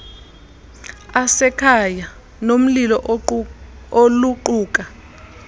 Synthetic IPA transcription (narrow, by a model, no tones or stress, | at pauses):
asɛkʰaja | nom̩lilɔʔ | oluǃuːk̬ʼa